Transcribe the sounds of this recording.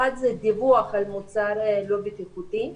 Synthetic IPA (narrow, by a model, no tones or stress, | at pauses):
ad̪zɛd̪ivuaχalmut͡saɾlo̞bet̪iχut̪i